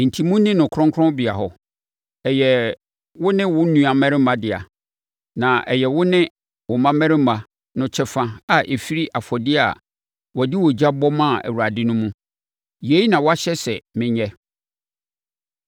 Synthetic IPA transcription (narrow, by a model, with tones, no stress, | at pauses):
n̩˨tʰi˨mũ˦nĩ˦nʊ̃˨kʰɾɔ̃˦ŋkʰɾɔ̃˦bɪ˨a˨ɦɔ˨ | ɛ˨jɛ˨ | wʊ˦nɪ̃˦wʊ˦nũ˦a˨mɛ̃˦ɾɪ̃˦mã˨dɪ˨a̰˨ | nã˨ʔɛ˨jɛ˨wʊ˦nɪ̃˦ | wʊ˨mã˦mɛ̃˦ɾɪ̃˦m˦mã˨ | nʊ̃˨t͡ɕʰɛ˦fã˦a˨ʔe˨fi˦ɾi˦ʔa˨fɔ˨dɪ˦a̰˨ | wɔ˨dɪ˦wɔ˨d͡ʑa˦bɔ˦mã˦˨æ̰˨wu˨a˨dɪ˦nʊ̃˦mũ˦ | je˨˦i˦nã˨wɔ˦a˦ɕɛ˦sɛ˨mɪ̃˦ɲɛ˦